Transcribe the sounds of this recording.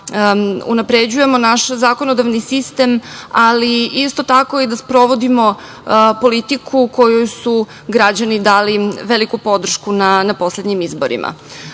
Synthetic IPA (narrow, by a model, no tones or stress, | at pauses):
ṵnapɾed͡ʑuje̞mo̞naʃzako̞nod̪aʋnisist̪e̞maliist̪o̞t̪ako̞id̪aspɾo̞ʋo̞d̪imo̞ | po̞lit̪ikʰuko̞jujusu | ɡɾad͡ʑanid̪aːliʋelikupo̞d̪r̩ʃkunanapo̞sled̪ɲimizbo̞̰ɾḭmʔa̰